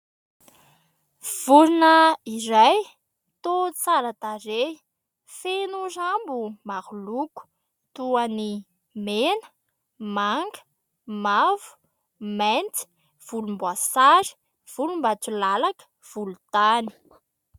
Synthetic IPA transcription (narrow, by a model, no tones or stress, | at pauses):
v̥uɾunəiraj | t̪ot͡saɾat̪aɾe | fenuzambumahuluku̥ | t̪uani | menə̥ | maŋɡə̥ | mavu̥ | ment̪i̥ | v̥ulumbwasaɾi̥ | v̥ulumbat͡sulalakə̥ | v̥ulut̪ani̥